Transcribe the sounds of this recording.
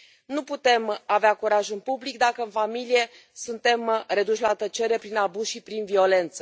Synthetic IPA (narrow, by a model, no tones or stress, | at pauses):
nuput̪e̞maveakuɾaʒɨnpublik̚d̪akəɨnfamilije̞ | sunt̪e̞mre̞d̪uʃʲlat̪ət͡ʃe̞ɾe̞pɾinabuzʃipɾinvio̞le̞nt̪sə̥